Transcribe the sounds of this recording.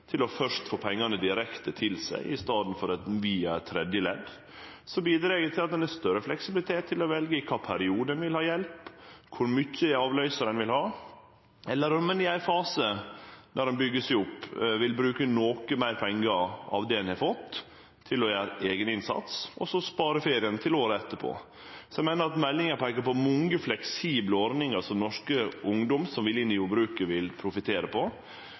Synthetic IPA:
t̪ʰɪlɔfœʂt̪foːpʰɛŋːɑnəd̪ɪɾɛkt̪ət̪ʰɪlsæ̰ɪʔɪst̪ɑːd̪n̩fɔɾɛt̪ʋiːɑt̪ʰɾɛd̪jəlɛd̪ | sɔbiːd̪ɾeːɡət̪ʰɪlɑt̪d̪ɛnæst̪œɾəflɛksɪbɪlɪt̪ʰeːt̪ʰːɪlɔʋɛlɡəɪkʰɑːpʰæɾɪuːd̪ənʋɪlhɑːjɛlpkʰʊɾmʏçəɑːʋlœʏsɑɾɛnʋɪlhɑː | ɛlːəɾɔmɛnɪæɪfɑːsəd̪ɔɾɛnbʏɡːəsɪʊpːʋɪlbɾʉːkənoːkəmæɪɾpʰɛŋɡəɑ̰ʋd̪ɛɛnhɛfɔt̪ʰː | ɪlɔjæːɾəʔeːɡənɪnsɑ̰t̪sʔɔsɔspɑːɾəfeːɾɪənt̪ʰɪloːɾəɛt̪ːəpʰo̰ː | sɔɛɪmæɪnəɾɑt̪mɛlːɪŋəɾpʰæɪkəɾpɔmɔŋəflɛksiːbləɔɾnɪŋɑsɔnɔʂkəʊŋd̪ɔmsɔmʋɪlɪnːɪjʊbɾʉːkəʋɪlpʰɾʊfɪt̪ʰeːɾəpʰɔ

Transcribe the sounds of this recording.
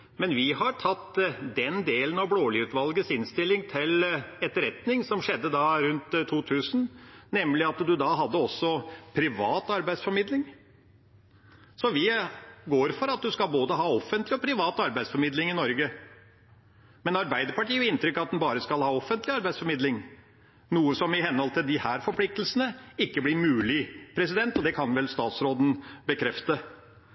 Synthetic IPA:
mɛnʋɪhɑɾʈʰɑt̪ːd̪ɛnd̪eːlənɑʋbloːlɪʉːt̪ʋɑlɡəsɪnst̪ɪlːɪŋt̪ʰɪlɛt̪ɾɛt̪nɪŋsɔmʂɛd̪ːəd̪ɑɾʉnt̪ʰːuːt̪ʰʉːsn̩nɛmlɪɑt̪d̪ʉd̪ɑɦɑd̪ːəɔsːɔpʰɾɪʋɑːt̪ɑɾbæɪsfɔɾmɪd̪lɪŋ | sɔʋɪɡoːɾfɔɾɑt̪̚d̪ʉskɑlboːd̪əɦhɑːɔfːənt̪lɪɔpʰɾɪʋɑːt̪ɑɾbæɪsfɔɾmɪd̪lɪŋɪnɔɾɡə | mɛnɑɾbæɪd̪əɾpɑʈiːɾɪnt̪ɾʏkːɑt̪̚d̪ɛnbɑːɾəskɑlhɑːɔfːənt̪lɪɑɾbæɪsfɔɾmɪd̪lɪŋ | nuːəsɔmɪhɛnhɔlt̪ɪld̪ɪhæːɾfɔɾpʰlɪk̚t̪əl̩sənəɪkːəblɪmʉːlɪpʰɾɛsɪd̪ɛnt̪ɔd̪ɛkʰɑnʋɛlst̪ɑːt̪sɾoːd̪n̩bəkʰɾɛft̪ə

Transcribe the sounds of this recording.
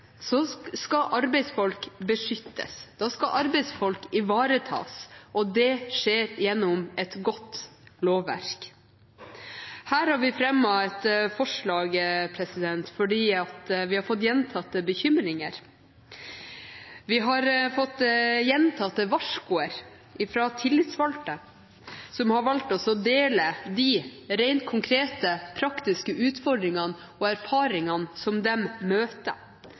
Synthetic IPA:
sɔskɑʔɑɾbɛɪsfɔlkbəʂʏt̪ʰːə̰sd̪ɑːskɑʔɑɾbɛɪsfɔlkɪʋɑːɾət̪ʰɑ̰ːsʔɔd̪ɛʂeːɾjɛnːɔmɛt̪ɡɔt̪loːʋːæ̰ɾk | hæːɾhɑɾʋɪfɾɛmːɔɛt̪fɔʂɭɑːɡəpʰɾɛsɪd̪ɛnt̪fɔɖiːɑt̪ʋɪhɑɾfɔt̪ːjɛnt̪ʰɑt̪ːəbəçʏmɾɪŋəɾ | ʋɪɦɑɾfɔt̪ːjɛnt̪ʰɑt̪ːəʋɑʂkʊəɾ | ɪfɾɑt̪ʰɪlːɪt̪sʋɑlt̪ə | sɔmhɑɾʋɑlt̪ɔsɔd̪eːləd̪ɪɾæɪnt̪̚kʰʊŋkʰɾeːt̪əpʰɾɑkt̪ɪskəʔʉːt̪fɔɖ̪ɾɪŋɑn | ɔæɾfɑːɾɪŋɑnsɔmd̪ɛmmøːt̪ə

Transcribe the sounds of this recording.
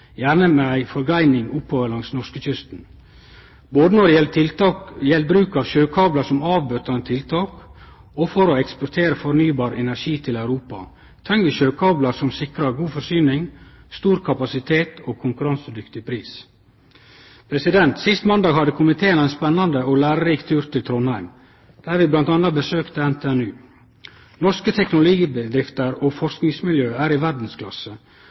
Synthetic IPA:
jæːɾnəmeæɪfɔɾɡæɪnɪŋʊphoːʋəɾlɑŋsnɔɾskəc͡çʏst̪n̩ | boːd̪ənɔd̪ | jɛl̚bɾʉːkɑːʋʃøːkʰɑːblɑsɔmɑːʋbœt̪əɾnət̪ʰɪlt̪ʰɑːk | ɔfɔɾoɛkspɔɾt̪ʰeːɾəfɔɾnyːbɑːɾɛnæɾʂiːt̪ʰɪlæʉɾuːpɑ̰ | t̪ʰɾɛŋʋəʃøːkʰɑːblɑɾsɔmsɪkɾɑɾɡuːfɔsyːnɪŋ | st̪uːɾkʰɑpɑsɪt̪ʰeːt̪oːkʰʊŋkʉɾɑnsəd̪ʏkt̪ɪpʰɾiːs | pʰɾɛsɪd̪ɛnt̪sɪst̪mɑnd̪ɑːɡhɑd̪əkʰʊmɪt̪ʰeːənæɪnspɛnːɑnd̪əoːlæːɾəɾiːkt̪ʰʉːɾt̪ɪlt̪ʰɾɔnhæɪm | d̪̥æːɾʋɪːblɑnt̪ɑnɑbəsøːkt̪əɛnt̪ʰeːænʉː | nɔʂkət̪ʰɛknʊlʊiːbəd̪ɾɪft̪əɾoːfɔɾsknɪŋsmɪljøːæːɾɪʋæɖn̩skʰlɑ̰sə

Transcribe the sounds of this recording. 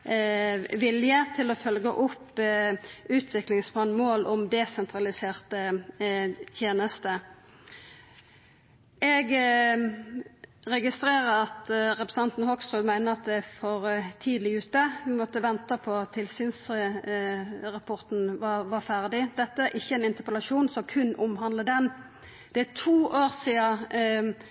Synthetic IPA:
ʋɪljət̪ʰɪlɔfœlɡəʔʊpː | ʔʉːt̪ʰʋɪklɪŋsmɑnːmoːlʔɔmd̪ɛsɛnt̪ʰɾɑlɪseːʁt̪ə | t̪ʰjeːnəst̪ə | ʔɛɡ | ʁɛɡɪst̪ɾeːʁəɑt̪ʁɛpɾɛs̩ɑnt̪nhɔksɔd̪mæɪnəɑt̪̚d̪ɛfɔʁt̪ʰiːd̪lɪʉːt̪əʋɪmɔt̪ːəʋɛnt̪əpʰɔt̪ʰːɪlsiːns | ʁɑpʰɔʁt̪n̩ʋɑʋɑfæʁd̪ɪd̪ɛt̪ːəæʔɪçːəɛɪnɪnt̪əpəlɑʂuːnsɔkʰʉnːʔʊmɦɑnd̪ləd̪ɛn | d̪̥ɛæt̪ʰuːʔoːʁsiːɑ

